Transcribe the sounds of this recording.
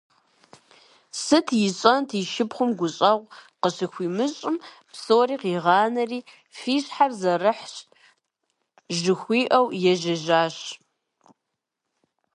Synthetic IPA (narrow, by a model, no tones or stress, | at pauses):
sɨtʰjɪɕʼɐntʰiːʃɪpχʷʊmɡʷʊɕʼɐʁʷqəɕɨxʷiːmɨɕʼɪm | psoːriːqiːʁɑːnɐriː | fiːɕħarzɐrɨħɕ | ʒɨxʷiːʔɐwjɛʒɐʒaːɕ